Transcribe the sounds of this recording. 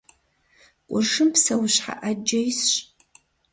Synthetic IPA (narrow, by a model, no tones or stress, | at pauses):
kʷʼʊrʂɨmpsɐwɕħa̰ʔɐd͡ʒɐjsɕ